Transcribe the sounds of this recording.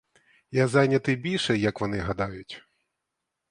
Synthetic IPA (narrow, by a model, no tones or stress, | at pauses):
jazanʲɐt̪ɨbʲilʲʂɛjɐkʋanɨɦad̪ajʊt͡sʲ